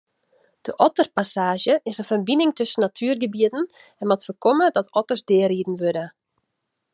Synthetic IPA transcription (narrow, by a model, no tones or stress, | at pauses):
d̥əʔɔtərpasaːʒjəʔɪsənfərbinɪŋtøsənːatʰyːrɡəbiədn̩ | ɛnmɔtfəkɔmədɔtɔtərsdɪəridn̩ʋødə